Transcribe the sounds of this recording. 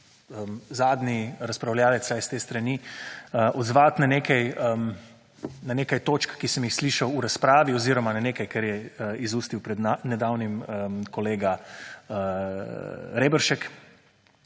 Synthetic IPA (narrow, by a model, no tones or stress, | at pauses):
əzaːd̪niɾɐspɾawljaːlɛt̪sajst̪eːst̪ɾɐniəʔɔd̪zʋaːt̪naneːkɛjm | nanekajt̪oːt͡ʃkːisəmjixsliːʃɐwuɾaspɾaːʋiɔziɾɔmananeːkajkɛɾjɛizuːst̪iwpɾɛd̪nanɛd̪awniməkɔleːɡa | ɾeːbəɾʃɛk